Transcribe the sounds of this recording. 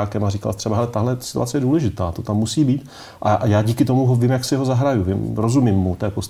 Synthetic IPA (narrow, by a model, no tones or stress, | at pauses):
aːkɛmarika̰lt̪rɛbaɦɛlɛt̪aɦlɛsɪ̥t̪ṵat͡sɛjɛduːlɛʒɪt̪aːt̪ot̪amːusiːbiːt̪ | ʔajaːɟiːkɪt̪o̞muɦovɪmjaksɪɛɦozaɦɾajuvɪmɾo̞zumimːut̪ɛːpost̪